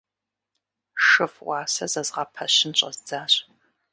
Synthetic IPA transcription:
ʂɨfwʷɑːsɐzɐzʁɑpʰɐɕɪnɕʼɐ̰zd͡zaːɕʼ

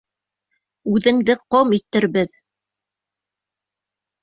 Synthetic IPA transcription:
ʉðɘ̆ŋd̪ɘqomit̪ːɘɾbɘð

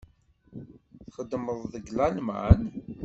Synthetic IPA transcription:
θχəd̪ːməðˤðəɡlælmæ̰n

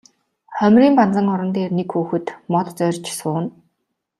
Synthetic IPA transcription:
χœmʲriːmpant͡sə̆ŋɔɾɞ̆nt̪eːrnekxuːxɘ̆t̪mɔt̪̆t͡sœrʲt͡ɕsʊːn

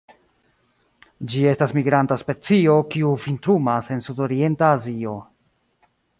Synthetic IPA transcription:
d͡ʒie̞stasmiɡɾantaspe̞t͡sio̞kiufintɾumase̞nsudo̞ɾie̞ntaːzio̞

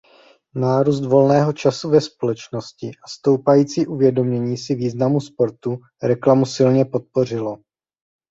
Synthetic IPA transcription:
naːɾuːst̪vo̞lnɛːɦo̞t͡ʃasuvɛspo̞lɛt͡ʃno̞scɪʔast̪o̞wpajiːt͡siːʔuvjɛdo̞mɲɛɲiːsɪviːznamuspo̞ɾt̪u | ɾɛklamusɪlɲɛpo̞t̪̚po̞r̝ɪlo̞

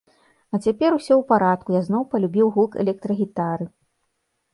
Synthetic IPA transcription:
ɐt͡sʲapʲɛɾusʲɔwpaɾat̪̚kujaznɔwpɐlʲubʲiwɣulˠkɛ̰lʲɛk̚t̪ɾɐɣʲit̪aɾɨ

